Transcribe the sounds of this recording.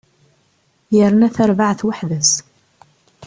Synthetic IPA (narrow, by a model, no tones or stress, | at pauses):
jəɾənæθæɾvaʕθwaħðəs